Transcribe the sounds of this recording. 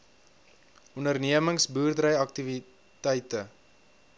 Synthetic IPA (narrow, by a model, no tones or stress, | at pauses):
ʔɔndərniəməŋsbuːrdrəjɐk̚tivi | tɛjtə